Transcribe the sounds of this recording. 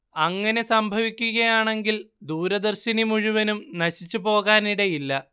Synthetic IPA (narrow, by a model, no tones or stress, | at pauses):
ɐŋːɐne̞sɐmbʱɐʋikʲːuɣɐjaːɳe̞ŋɡild̪uːɾɐd̪ɐrɕinimuɻuʋɐnumnɐɕit͡ɕːupo̞ːɣaːniɽe̞jilːɐ